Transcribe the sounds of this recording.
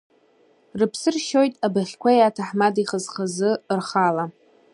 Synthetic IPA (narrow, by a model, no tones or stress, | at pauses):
rɨpʰsɨrʃo̞jtʼabaχʲkʷajatʰaħmadiχəzχazɨrχala